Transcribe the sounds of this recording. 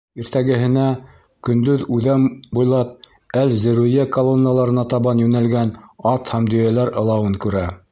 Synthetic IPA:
iɾt̪æɡɘ̆ɦɘ̆næ | kɵ̆nd̪ɵðʉðæmbujlˠɑp̚ | ælzɘ̆ɾʉjækolˠonːəlˠɑɾɤ̆nɑt̪ɑβɑnjʉnælɡænɑt̪hæmd̪ɵ̆jælæɾɤ̆lˠɑwɤŋkʉɾæ

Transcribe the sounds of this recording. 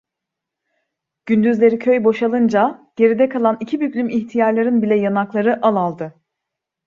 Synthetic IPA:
ɟ̥ynd̪yzlʲe̞ɾicʰø̞jbo̞ʃalˠɯnd͡ʒaɟ̥e̞ɾid̪ɛkʰalˠanicʰibyplʲymiçt̪ʰijaɾlˠaɾɯnbilʲɛjanaklˠaɾɯʔalˠalˠd̪ɯ

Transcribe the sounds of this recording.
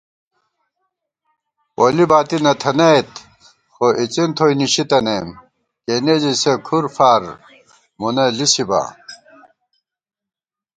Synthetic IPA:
olibaːt̪inɐt̪ʰɐnɐjt̪ | xoʔit͡sint̪ʰoiniɕit̪ɐnem | kened͡ʑisekʰuɾfaːɾ | munɐlisiba̰

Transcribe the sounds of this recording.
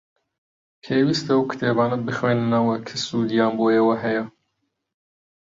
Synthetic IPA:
pʰeːwiːst̪ɐɐwkʰɨ̥t̪ʰeːbaːnɐbɨxweːnɨnɐwɐkʰɨsud̪jaːmbojewɐɦɛjɐ

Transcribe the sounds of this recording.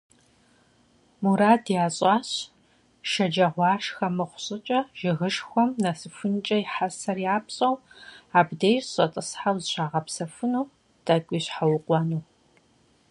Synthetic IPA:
muɾaːdjaːɕʼɑːɕ | ʃɐd͡ʒɐʁʷɑːʃxɐmɨχʷʊ̥ɕʼɪt͡ʃʼɐʒ̥ɪɣɨʃxʷɔmnɐsɨfɨnt͡ʃʼɐjɪħasɐrjaːpɕʼɐwaːbdejɕʼɐtʼɨsħawzɨɕʷaːʁɐpsɐfɨnuː | tʼɐkʷʼiːɕħawʊqʷʼɑnuː

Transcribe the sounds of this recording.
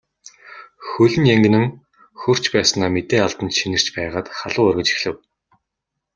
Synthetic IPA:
xɵɮʲɘ̆njæŋɡɘ̆nɘ̆ŋ | xɵr̥t͡ɕpæːsnaːmet̪eːaɮt̪ə̆nt̪ʃinɘ̆r̥t͡ɕpæːʁaːt̪χaɮʊːœrɣə̆t͡ɕi̥xɮɘ̆w

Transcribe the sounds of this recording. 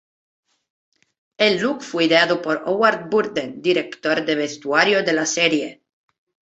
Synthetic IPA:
elːukfweideaðopoɾowaɾd̪̚buɾd̪end̪iɾekt̪oɾd̪eβest̪uaɾjod̪elaseɾje

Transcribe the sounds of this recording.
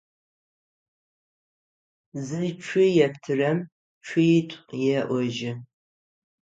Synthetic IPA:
zɨt͡ʃʷʰʊjɛptʰɨrɐm | t͡ʃʷʰʊjtʷʼjɛʔʷɔʒɪ

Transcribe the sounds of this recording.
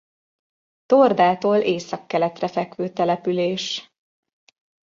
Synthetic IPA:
t̪ord̪aːt̪oːlʔeːsɒkːɛlɛt̪rɛfɛkʋøːt̪ɛlɛpyleːʃ

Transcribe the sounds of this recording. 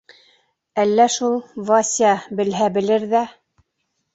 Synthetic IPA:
ælːæʃulˠvɑsʲiɑbɘ̆lɦæbɘ̆lɘɾðæ

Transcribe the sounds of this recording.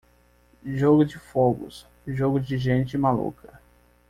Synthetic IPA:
ʒoɡʊd͡ʒɪfɔɡʊ̰s | ʒoɡʊd͡ʒɪʒẽnt͡ʃɪmalṵkɐ

